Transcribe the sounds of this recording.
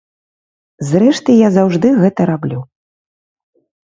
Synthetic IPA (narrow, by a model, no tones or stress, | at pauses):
zrɛʂt̪ɨjazawʐd̪ɨɣɛt̪ɐɾablʲu